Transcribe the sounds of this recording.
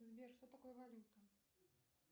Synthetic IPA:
zʲbʲɛrʂt̪ɔt̪akɔjɐvalʲut̪ɐ

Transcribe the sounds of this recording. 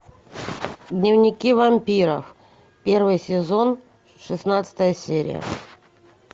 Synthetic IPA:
d̪nʲɪvnʲɪkʲivɐmʲpʲiɾə̰f | pʲervɨjsʲɪzo̞n | ʂɨsnat̪sə̥t̪əjəsʲeɾʲɪ̰jə̰

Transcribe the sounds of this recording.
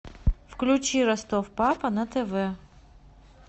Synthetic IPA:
fklʲʊt͡ɕiɾɐst̪ofpapɐnɐt̪ɛvɛ

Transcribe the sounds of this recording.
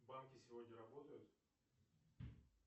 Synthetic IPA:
bamkʲɪsʲɪvodʲnɲʲəɾɐbo̞t̪əjʊt̪

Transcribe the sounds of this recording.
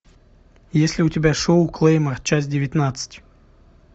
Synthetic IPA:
jesʲlʲɪʊtʲɪbʲaʂoʊklˠejmərt͡ɕas̬ʲdʲɪvʲɪt̪nat̪sɨ̥tʲ

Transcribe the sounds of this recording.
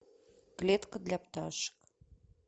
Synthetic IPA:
klet̪kə̆d̪lʲæpt̪ɑʃə̥k

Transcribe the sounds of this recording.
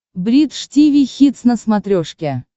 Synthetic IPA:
bɾʲit̪ʂtʲivʲijxʲit̪snəsmat̪ɾʲoʂkʲe

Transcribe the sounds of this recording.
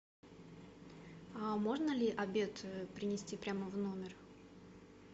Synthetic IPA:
amo̞ʐnəlʲɪʔɐbʲe̞t̪pɾʲɪnʲɪsʲtʲipɾʲaməvno̞mʲɪr

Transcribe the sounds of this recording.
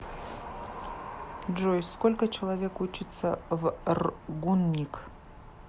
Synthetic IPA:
d͡ʒojskolʲkət͡ɕɪlˠɐvʲekut͡ɕɪt̪səvrɡunːʲik

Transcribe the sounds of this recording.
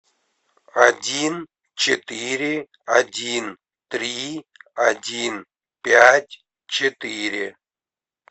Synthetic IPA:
adʲin | t͡ɕɪt̪ɨɾʲɪ | adʲin | t̪ɾʲiadʲin | pʲatʲ | t͡ɕʰɪt̪ɨɾʲɪ

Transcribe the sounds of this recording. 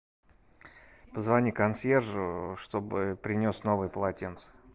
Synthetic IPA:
pəzvɐnʲikɐnsʲerʐʊʂt̪o̞bɨpɾʲɪnʲo̞sno̞vɨjpəlˠɐtʲent̪s

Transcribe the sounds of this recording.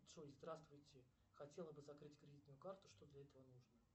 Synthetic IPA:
ʂozd̪ɾast̪vʊjtʲɪ | xɐtʲe̞lˠəbɨzɐkɾɨtʲkɾʲɪdʲit̪nʊjʊkart̪ʊ̥ʂt̪o̞d̪lʲɐɛt̪əvənuʐnə

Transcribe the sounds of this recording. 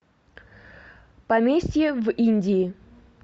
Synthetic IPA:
pɐmʲesʲtʲjəvinʲdʲɪɪ

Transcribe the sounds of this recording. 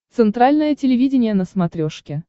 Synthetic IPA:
t̪sɨnt̪ɾalʲnəjətʲɪlʲɪvʲidʲɪnʲɪjənəsmɐt̪ɾʲoʂkʲɪ

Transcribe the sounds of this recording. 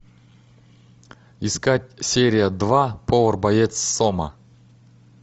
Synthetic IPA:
iskatʲsʲeɾʲɪjəd̪vapʰovərbɐjet̪ssomə̰

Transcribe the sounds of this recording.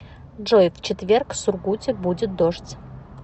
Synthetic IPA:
ʐojft͡ɕɪt̪vʲerksʊrɡutʲɪbudʲɪt̪̚d̪oʂtʲ

